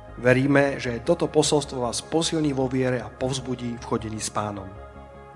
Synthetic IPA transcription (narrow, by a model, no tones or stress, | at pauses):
ʋɛɾiːmɛʒɛjɛt̪ɔt̪ɔpɔsɔlst̪ʋɔʋaːspɔsilɲiːʋɔʋɪɛɾɛapɔʊzbuɟiːfxɔɟɛɲiːspaːnɔm